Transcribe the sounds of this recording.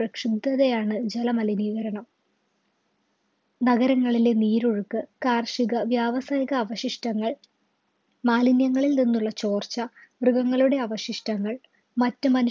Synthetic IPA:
rɐkʂib̚d̪ɐðejaːɳɨd͡ʑelɐmɐliniːʋɐɾɐɳɐm | nɐɣɐɾɐŋːɐɭileniːɾoɻukːɨkaːrʂiɣɐʋjaːʋɐsaːjɐɣɐːʋɐɕiʂʈɐŋːɐɭ | maːlinjɐŋːɐɭilninːuɭːɐt͡ɕo̞ːrt͡ɕɐʋrɨɣɐŋːɐɭuɽe̞ɐʋɐɕiʂʈɐŋːɐɭ | mɐtːɨmɐnu

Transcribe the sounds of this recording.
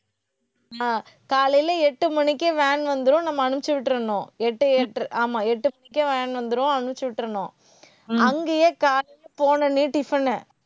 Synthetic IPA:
a | kaːlɐjlɐɛʈːɯmɐɳɪkʲːeʋɛːnʋɐnd̪ɯɾõnɐmːɐːɳɯpt͡ʃːɯʋɪʈːɾɐɳõːɛʈːɯɛʈːʔaːmaːɛʈːɯmɐnɪkʲːeʋɛːnʋɐnd̪ɯɾõɐɳɯpt͡ʃːɯʋɪʈːɾɐɳõː | ɐŋɡejekaːlɐlɐpoːnɐniːʈɪfɐnːɐ

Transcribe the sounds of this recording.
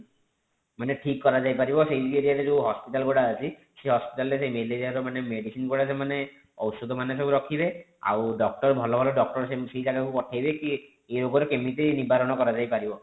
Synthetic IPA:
maneʈʰikːɔɾad͡ʒajpaɾibɔsejd͡ʒiɡeɾiaɾed͡ʒeɦɔspiʈalɡoɽaət͡ʃʰi | seɦɔspiʈalɾesejmeleɾiaɾɔmanemeɽisinɡoɽasʰemane | ɔ̰wsod̪ʱɔmanes̬ɔbuɾɔkʰibe | a̰wɖɔk̚ʈɔɾbʱɔlɔbʱɔlɔɖɔk̚ʈɔɾsesejt̪aɾeupɔʈʰajbeki | eɾoɡɔɾekemit̪enibʱaɾɔnɔkɔɾad͡ʒajpaɾibɔ

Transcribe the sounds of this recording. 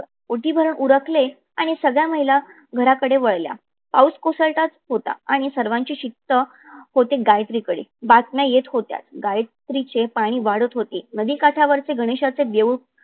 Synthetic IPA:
oʈiːbʱəɾəɳuɾəkle | aɽ̃isəɡɭjaməɦila | ɡʱəɾakəɽeʋəɭlja̰ | pawskosəɭt̪at̪ɦot̪a̰aɽ̃isəɾʋãɲt͡ɕiːɕit̪ːə | hot̪eɡajt̪ɾikəɽḭːbat̪mjajet̪ɦot̪ja̰t̪ɡajt̪ɾit͡ɕepaɽ̃iːʋaɽət̪ɦot̪enəd̪iːkaʈʰaʋəɾt͡seɡʱəɽ̃eɕat͡seʋjeʋ

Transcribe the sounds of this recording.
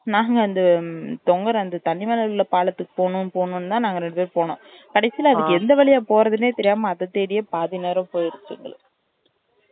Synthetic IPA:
naːŋɡɐɐnd̪ɯt̪ɔŋɡɐɾɐnd̪ɯt̪ɐnːɪmɐːnɐɭɯlːɐpaːɭɐt̪ːɯkːɯ̥poːnɯ̃npoːnɯnt̪ãːnaːŋɡɐɾɛɳɖɯpeːɾpoːnõ̰ː | kɐɽɐɪsɪjlɐɐðɯkːɯɛnd̪ɐʋɐɭɪjaːpoːɾɐðɯneːt̪ɛɾɪjaːmɐːðɐt̪ːeːɽɪjɐpaːðɪneːɾɐmpoːjɪɾɯk̪ːɯ̰ŋɡɐ̰ɭ

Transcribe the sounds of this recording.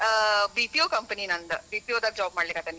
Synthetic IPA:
bipiokɐmpəninɐnd̪ɐbiːpiod̪ɐɡ̚d͡ʒaːb̚maːɖlekaːt̪ɐni

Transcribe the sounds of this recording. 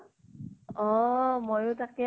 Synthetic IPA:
ɔ̃mojotakɛ

